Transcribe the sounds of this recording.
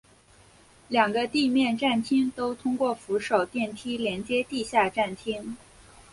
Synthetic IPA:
ljɑ˨˩ŋɡə˦t̪i˥˧mjɛ˥˧nʈ͡ʂa˥˩nt̪ʰi˥ŋt̪o˥ʊt̪ʰʊ˥ŋkwɔ˥˩fu˧˥ʂo˨˩ʊt̪jɛ˥˩nt̪ʰi˥ljɛ˧˥nt͡ɕjɛ˥t̪i˥˧ɕja˥˧ʈ͡ʂa˥˩nt̪ʰi˥ŋ

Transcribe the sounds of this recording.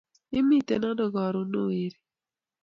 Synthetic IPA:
i˦mi˦˨tɛ̰˨na˦dɔ˨ɡɔ˨ɾo˨˦no˦˨e˨ɾi˦

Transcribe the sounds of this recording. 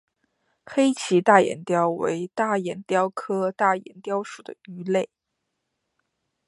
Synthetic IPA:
xe˥ɪt͡ɕʰi˧˥t̪a˥˩jɛ̰˨˩nt̪jɑ˥ʊwḛ˧˥ɪt̪a˥˩jɛ˨˩nt̪jɑ˥ʊkʰɤ˥t̪a˥˩jɛ̰˨˩nt̪jɑ˥ʊʂu˨˩d̪ə̰˦y˧˥le˥˩ɪ

